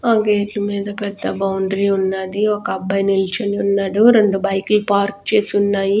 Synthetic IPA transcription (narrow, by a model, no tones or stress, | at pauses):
ɐɡeːʈumiːd̪ɐpɛd̪ːɐbɐwɳɖɾiunːaːd̪iɔkɐːbːɐjnilt͡ʃɐniunːaːɽuɾe̞ɳɖubɐjkulupaːɾk̚t͡ʃe̞ːsunːaːji